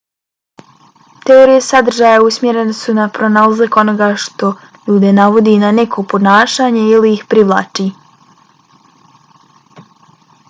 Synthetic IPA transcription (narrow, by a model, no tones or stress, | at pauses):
t̪e̞oɾijesad̪r̩ʒaːjausmje̞ɾe̞nesunapɾo̞nalazako̞no̞ɡaʃt̪o̞ | ʎuːd̪e̞naʋo̞d̪inanekʰopo̞naːʃaːɲe̞iliixpɾiʋlˠa̰ːt͡ʃi